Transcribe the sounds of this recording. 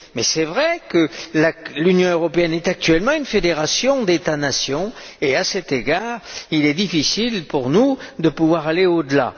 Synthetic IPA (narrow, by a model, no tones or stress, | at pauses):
mɛsɛvʁɛkəlalynjɔ̃øʁɔpeɛnɛt̪ak̚t̪ɥɛlmɑ̃ynfed̪eʁasjɔ̃d̪et̪anasjɔ̃ | easɛt̪eɡaʁilɛd̪ifisilpuʁnud̪əpuvwaʁaleod̪əla̰